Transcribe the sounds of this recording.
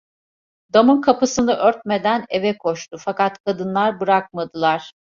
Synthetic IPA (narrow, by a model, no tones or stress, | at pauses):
d̪amɯnkʰapɯsɯnɯʔøɾt̪̚me̞d̪æne̞vɛkʰo̞ʃt̪ʊfakat̪kʰad̪ɯnlˠaɾbɯɾak̚mad̪ɯlˠaɾ̥